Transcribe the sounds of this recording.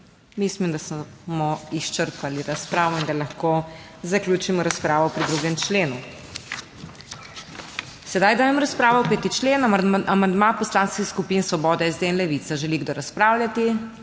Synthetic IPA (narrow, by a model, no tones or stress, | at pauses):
mislimd̪asmɔiʃt͡ʃəɾpaliɾaspɾaːʋɔind̪alaxko | zakljuːt͡ʃimɔɾaspɾaːʋɔpɾid̪ɾuɡɛmt͡ʃleːnu | sɛd̪ajd̪aːjɛmɔɾaspɾaːʋɔɔpɛːt̪it͡ʃleːnʔamand̪mapɔslanskixskupinsʋɔbɔːd̪ɛɛzd̪einlɛʋit̪aʒɛliɡd̪oɾaspɾaːwljʲat̪i